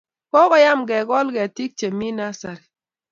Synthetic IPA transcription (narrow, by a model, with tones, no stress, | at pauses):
kɔ˦ɣɔ˨ja˦mɡɛ˨ɡɔ˦lɡɛ˨ti˦k̚t͡ʃe˨mi˦na˦sa˨ɾi˨